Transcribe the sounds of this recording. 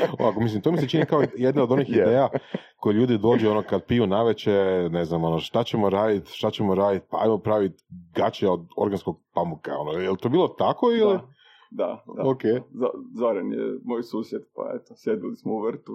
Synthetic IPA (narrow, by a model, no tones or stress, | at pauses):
o̰ʋakomislimt̪o̞miset͡ʃinikaojed̪naod̪o̞nixid̪eːjako̞jeʎuːd̪id̪o̞ːd͡ʑɛo̞no̞kad̪̚pijunaʋet͡ɕene̞znamo̞noʃt̪at͡ɕe̞moɾaːd̪it̪ʃt̪at͡ɕemo̞ɾaːd̪it̪̚paa̰jmopɾaʋit̪ɡat͡ɕeao̞d̪o̞̰ɾɡanskoɡ̚pamuka̰o̞nojelt̪o̞biːlˠo̞t̪ako̞ili | d̪a̰d̪okeːza̰zoɾanjḛmojsuːsjed̪pa̰ḛt̪o̥sjed̪ilismouʋr̩t̪u